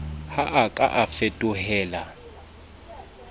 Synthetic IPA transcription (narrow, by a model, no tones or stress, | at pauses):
haʔakʼa̰ʔafetʼʊhɛːla